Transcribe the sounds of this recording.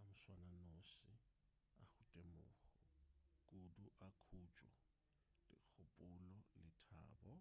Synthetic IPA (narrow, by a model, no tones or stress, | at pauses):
amʊswananosɪ | a̰χʊtʼemʊːχɔkʼuduʔakʰut͡ʃʼwɔ̰ | lɪ̰k͡xʰʊpʼʊlɔlɪtʰa̰ːbɔ